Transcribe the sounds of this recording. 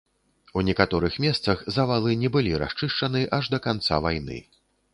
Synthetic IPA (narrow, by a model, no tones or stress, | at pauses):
unʲɛkat̪ɔɾɨxmʲɛst̪sɐxzɐvalˠɨnʲɛbɨlʲiɾa̰st͡ʂɨʂt͡ʂɐnɨʔɐʐd̪ɐkant̪sa̰vajnɨ̰